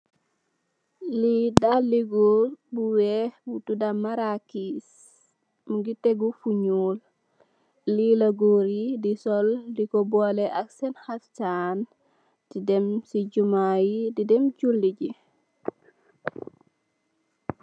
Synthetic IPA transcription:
lidaliɡubuwɛbutudamaɾakis | muɡiteɡufuɲul | lilaɡoɾidisɔldikɔbɔlɛʔaksɛnxatt͡ʃan | didɛmsiɟumajididɛmt͡ʃulːiɟi

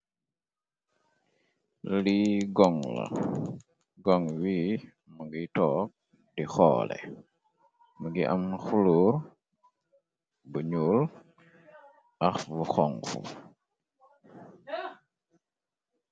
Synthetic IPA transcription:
liɡɔŋlɐ̰ | ɡɔŋwiː | məɡitɔːk̚ | dixɔ̰ːlɛ̰ | məɡiʔamxuluːɾ | buɲuːl | ʔɐxvuxɔŋfṵ

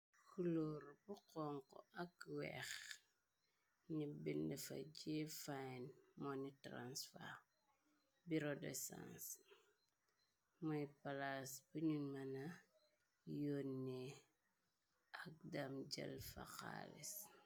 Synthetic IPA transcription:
xulɔːɾbuqɔŋkɔ̰ʔɐkwɛ̰x | ɲibindɛfa̰d͡ʒifanmɔnitɾa̰nsfa̰ | biɾodɛ̰sã̰ns | mɔjpalasbuɲunmana | jonːi | ʔak̚damd͡ʒɐ̰lfa̰xa̰ːlḭs

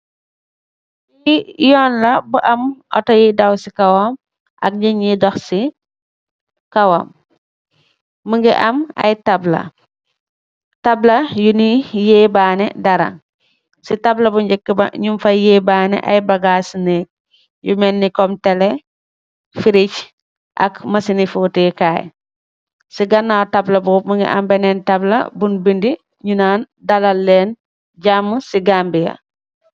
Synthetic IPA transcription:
jijɔːnlɐbuʔɐmʔɔ̰tɔjidɐwsikɐwɔm | ʔɐ̰k̚ɲiɲidɔxsi | kɐwom | əŋɡḭʔɐmɐ̰jtɐblɐ̰ | tɐblɐjunijɛːbaːnɛdɐɾɐ̰ŋ | sitɐblɐbuɲd͡ʒɛkːibɐ̰ɲumfɐjeːbaːnɛ̰ʔɐ̰jbɐɡaːsneːk̚ | jumɛnːikɔmtɛle | fiɾic | ʔɐ̰kmɐsinifutekaːj | siɡɐnːatɐblɐbuːmuŋḭʔa̰mbɛnɛntɐblɐ̰bunbindi | ɲunan | dɐlɐlːɛn | ɟamːusiɡambijɐ̰

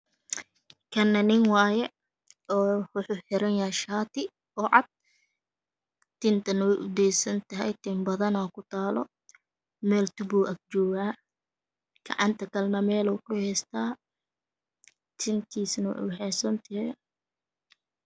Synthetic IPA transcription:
kʰɐnːɐnɪŋwɑːjɛ | ɔːʊħuːħɪɾɐnjɐɛʃaːt̪ʰɪ | ɔːʕɑd̪̚ | t̪ɪnt̪ʰɐnwʔʊd̪ɛjsɐnt̪ʰɐɦɛ̰jt̪ʰɪmbɐðɐnɔːkʰʊt̪ʰaːlɔ̰ | mɛːlt̪ʊbuːʔɐɡ̚t͡ʃɔːɣaː | ɡ̥ɑ̰ʕɑnt̪ʰɐkʰɐlnɐmɛːluːkʰʊhɛːst̪ʰaː | t̪ʰɪnt̪ʰiːsnɐwṵːhɛːsɐnt̪ʰɪɦ

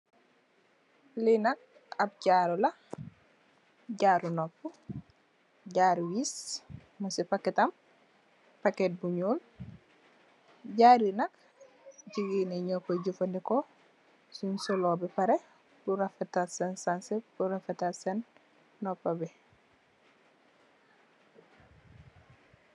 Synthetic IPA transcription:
linɐk̚ | ɐb̚ɟaːɾulɐ | ɟaɾunopːu | ɟaːɾwiːs | mɐsipaketɐm | paket̚buɲuːl | ɟaːɾinɐk̚ | ɟiɡineɲokoɟufɐndiko | suɲsɔlobipaɾe | buɾafetasensansebuɾafetasenː | opːabe

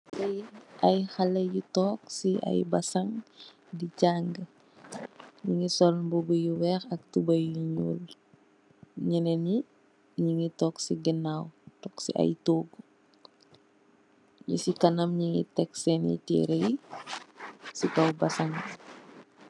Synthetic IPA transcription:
sɐjʔɐjxɐlɐjutɔːksiʔɐ̰jbɐsɐŋ | dicaːŋɡə | ɲiŋisɔlmbubujuwɛxɐk̚tubɐjuɲṵːl | ɲineni | ɲiŋitɔːksiɡənawtɔksḭʔɐ̰jtoːɡu | ɲṵsikɐnɐmɲiŋḭtɛksɛnḭtḭːɾej | sikɐwbɐsɐŋ

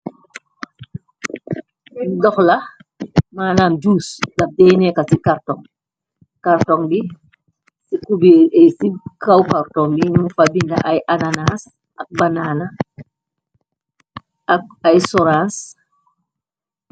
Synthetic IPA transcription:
ɛdɔxlɐ | maːnaːnd͡ʒuːsdɐp̚dɛjnɛkasikaɾtɔŋ | kaɾtɔŋbi | sikubɛɛsikawkaɾtɔŋbiɲmufabindɐʔajʔananas | ʔɐk̚banaːna | k̚ajsɔɾans

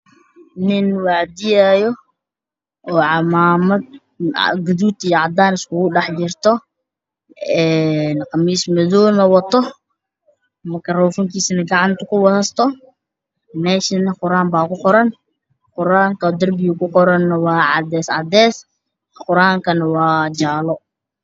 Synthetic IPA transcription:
nɪnwɑʕd̪ɪjajɔ | ɔːʕɑmaːmɐd̪̰ | ɡʊðuːt̪ijɔʕɑd̪aːnɪskʊɣʊɖɑħt͡ʃɪrt̪ʰɔ | ɛnqɑmiːsmɐðɔːnɐwɐt̪ʰɔ | mɐkʰɐrɔːfɔŋkʰiːsɐnɐɡɑʕɑnt̪ʰɐkʰʊwɐðɐst̪ʰɔ | mɛːʃɪnɐqʊɾaːmbaːkʰʊqɔɾɐn | qʊɾaːŋkʰɐd̪ɐrbɪjʊkʊqɔɾɐnːɐwɑːʕɑ̰d̪ɛːsʕɑ̰d̪ɛːs | qʊɾaːŋkʰɐnɐwɑːd͡ʒaːlɔ

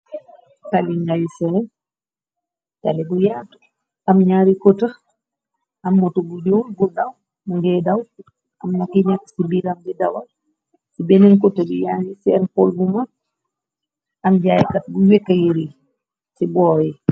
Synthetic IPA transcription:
kaliŋɡajsɛn | ta̰lɛbujat | amɲaːɾikɔta | amːɔtɔbud͡ʒonbudaw | muŋɡɛdaw | ʔamnakiɲakːsibiɾamdɛdawal | sibɛnɛnkɔtabujaːɾisɛnpɔlbuma | ʔamd͡ʒajkat̚buwɛkːajiɾi | sibɔːjɛ

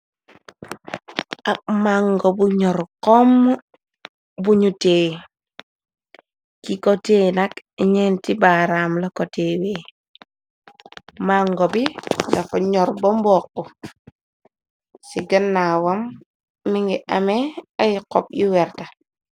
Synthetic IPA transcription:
ak̚maŋɡobuɲɔɾkɔmː | buɲute | kikotenakiɲentibaɾamlakotewe | maŋɡobilafɔɲɔɾbɔmbɔkːɔ | siɡɐnːawamː | iŋɡiʔameajikɔ̰p̚jiwɛɾta

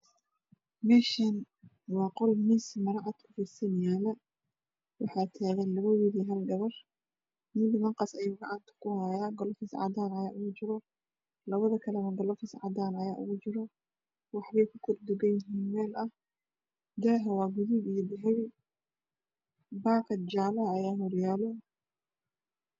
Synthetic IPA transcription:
mɛːʃɐn | wɑːqɔlmɪsmɐɾɐʕɑd̪kʰʊfɪsɐnjaːlɐ | wɑħɑːt̪ʰaːɣɐnlɐβɐwɪðiːɦɐlɡɐβɐr | nɪmbɪðɐŋqɑsɐjuːɡɔʕʔaːnt̪ʰɐ̥kʰʊhaːjaːɡɔlɔfɪsʕɑ̰d̪aːnɐjaːʔʊɣʊt͡ʃɪɾɔ | lɐβɐðɐkʰɐlɛmɐŋɡɐlɔfɪsʕɑd̪aːnɐjaːʔʊ̰ɣʊt͡ʃɪɾɔ | wɑħβɛjkʰʊkʰɔrd̪ʊɡɐjɪɦiːnmɛːlɐh | d̪ɛːɦɐwɑːɡʊðʊbijɔbɪɦɛw | baːqɐd̪d͡ʒaːlɐːjaːɦɔrjaːlɔ

